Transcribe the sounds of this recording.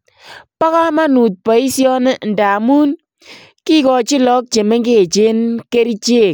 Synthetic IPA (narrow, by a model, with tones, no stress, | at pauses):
pa˦ka˦ma˦nu˨t̚pɔ˨i˦sjɔ˦ne˦n̩daː˨mu˦n | ki˦kɔ˨t͡ʃi˦lɔ˦k̚t͡ʃe˨me˦ŋɡe˦˨t͡ʃe˦nke˦ɾi˦t͡ʃe˦˨k